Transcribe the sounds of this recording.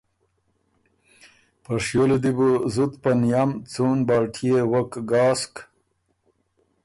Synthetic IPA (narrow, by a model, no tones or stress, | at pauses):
pɐʂjoled̪ibuzut̪panjamt͡sunbɑːʈʰijewɐkɡɑːsk